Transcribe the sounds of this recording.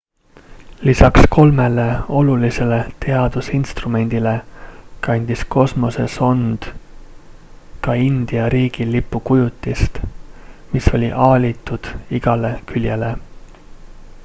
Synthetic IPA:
lisɑksko̞lme̞le̞o̞lulise̞le̞t̪e̞ɑd̪̥usinst̪rume̞nʲd̪̥ilekɑnʲd̪̥isko̞smo̞se̞̰so̞nd̪̥ | kɑind̪̥iɑɾiːɡ̥ilipːukujut̪ːˑist̪ | miso̞lʲiʔɑːlʲit̪ːˑud̪̥iɡ̥ɑle̞kylʲje̞le̞

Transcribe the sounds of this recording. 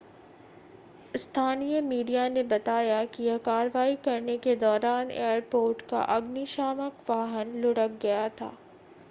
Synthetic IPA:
st̪ʰaːnijəmiːɖijanebɐt̪aːjakijɐɦkaːɾʋaːikɐɾneked̪ɔːɾaːnḛːjəɾpoːɾʈka̰ʔɐɡniʃaːməkʋaːɦənlʊɽək̚ɡɐjat̪ʰa̰ː

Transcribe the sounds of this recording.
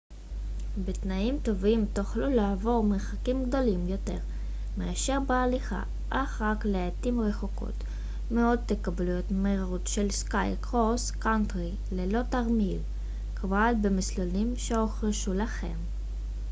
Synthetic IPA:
betnaimt̪o̞vimt̪uχlulaːvo̞ʁmeʁχakimɡdo̞limjo̞te̞̰ʁ | meaʃeʁbealiχa̰ | ʔaχʁakleat̪imʁe̞χoko̰t | meo̞d̚ːekablujotmeʁaʁutʃelskajkʁoskantʁi | lelo̞taʁmil | kavoalbemislolimʃeoχʁeʃulaχe̞̰m

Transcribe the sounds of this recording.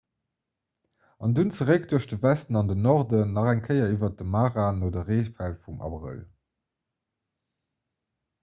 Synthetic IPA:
ɑndunt͡səʁək̚d̥uɐɕd̥əvæstənɑndənɔʁdəːɑχæŋkʰəɪɐivɐt̚dəmaːʁaːnoːdəʁeːfælfumʔɑ̰bʁə̰l

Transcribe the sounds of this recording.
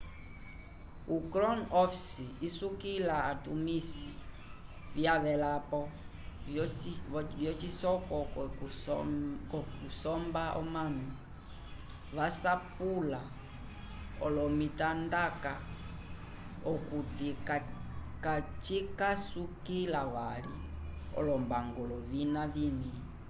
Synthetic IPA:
ukɾɔnɔfi̥siisukilaːtumisi | vjaβɛlapɔ | vjɔt͡ʃisɔkɔ | kɔkusɔmbaʔɔ̰manu | ʋasapula | ɔlɔmitandaka | ɔkutik | kat͡ʃikasukilaβaliɔ̰lɔmbaŋɡɔlɔvinavini

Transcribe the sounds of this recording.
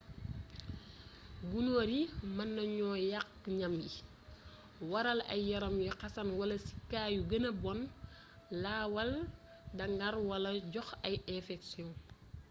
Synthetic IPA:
ɡunoːɾimɐnːɐɲɔːjak̚ː | ɲɐmji | wɐɾɐlɐ̰jːɐɾɐmjuqɐsɐnwɐlɐsi̥kːaːjuɡɐnɐbɔn | laːwɐl | dɐŋɡɐɾwɐlɐɟɔxɐjɛfɛksjɔ̃

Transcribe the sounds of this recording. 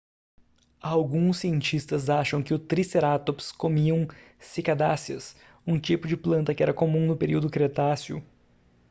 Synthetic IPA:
awɡũsːiẽnt͡ʃist̪ɐzaʃɐ̃w̃kɪʊt̪ɾiseɾat̪opskomiɐ̃w̃ | sikad̪asiɐ̰s | ũt͡ʃipʊd͡ʒɪplɐ̃nt̪ɐkɪɛɾɐkomũnʊpeɾiwd̪ʊkɾet̪asjʊ̰

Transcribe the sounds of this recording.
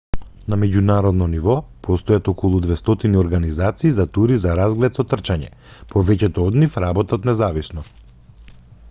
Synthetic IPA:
namɛɟunaɾɔd̪nɔnivɔpʰɔst̪ɔjat̪ɔkɔlˠud̪vɛst̪ɔt̪iniɔɾɡanizat̪siːzat̪uɾizaɾazɡlɛt̪sɔt̪r̩t͡ʃaɲɛ̰ | pʰɔvɛcɛt̪ɔɔd̪nifɾabɔt̪at̪nɛzavisnɔ

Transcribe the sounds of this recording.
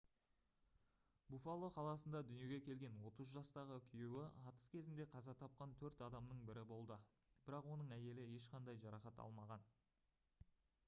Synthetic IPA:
bufalˠːo̞qʰɑlˠɑsənd̪ɑd̪ʏnije̞ɡʲe̞kʲʰe̞lɡʲe̞nwo̞t̪əzʒɑst̪ɑʁəkʲʰijewɪɑt̪ə̥skʲʰe̞zɪnd̪e̞qʰɑzɑt̪ʰɑp̚qɑnt̪ʰɵɾt̪ɑd̪ɑmnəɴbɪɾɪbo̞lˠd̪ə | bɪɾɑqwo̞nəɴæje̞lɪe̞ʃqɑnd̪ɑjʒɑɾɑχɑt̪ɑ̰lˠmɑʁɑn

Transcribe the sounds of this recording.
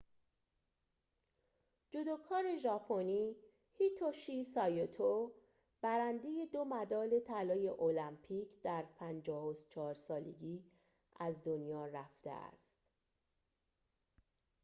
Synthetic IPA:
d͡ʒod̪ɒːkʰɒːɾe̞ʒɒːpʰoniː | hit̪ʰoʃisɒjot̪ʰo | b̥æɾænd̪e̞je̞d̪o̞mæd̪ɒːle̞t̪ʰælɒːje̞ʔolæmpʰiːcʰd̪̥æɾpʰænd͡ʒɒːhost͡ʃʰɒːɾsɒːlḛɡiː | ʔæzd̪onjɒːræft̪e̞̰æ̰st̪

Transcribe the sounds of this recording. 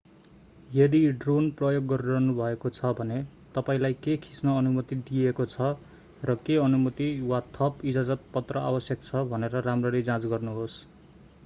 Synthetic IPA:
jʌd̪iɖronprʌjoɡːʌɾrʌɦnubʱʌekot͡sʰʌbʱʌne | t̪ʌpaĩlajkekʰi̥snʌːnumʌt̪id̪iekot͡sʰʌ | rʌkeʌnumʌt̪iwat̪ʰʌpid͡zad͡zʌt̪̚pʌt̪rʌa̰bʌsjʌk̚t͡sʰʌbʱʌneɾʌramrʌled͡zãt͡sɡʌrnuɦos

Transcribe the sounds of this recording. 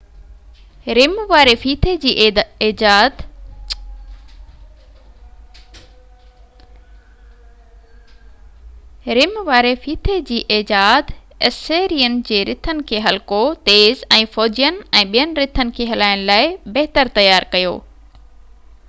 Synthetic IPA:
ɾɪmʋaːɾefiːt̪ʰed͡ʑiː | ɾɪmʋaːɾefiːt̪ʰed͡ʑiːʔeːd͡ʑaːd̪ | ɛseːɾiːənɪ̆d͡ʑeːɾɪt̪ʰənɪ̆kʰeːɦɐlkot̪eːzɛ̃ːfɔːd͡ʑijənɪ̆ɛ̃ːɓijənɪ̆ɾɪt̪ʰənɪ̆kʰeːɦɐlaːɪñ̆laːɪbɐɦɪt̪əɾt̪ɐjaːɾkɐjo̰ː

